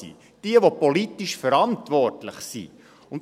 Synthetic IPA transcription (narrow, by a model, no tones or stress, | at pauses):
ḭ | d̥iəʋopolitiʃfəɾɑntvɔrtləχsḭ | ʊnt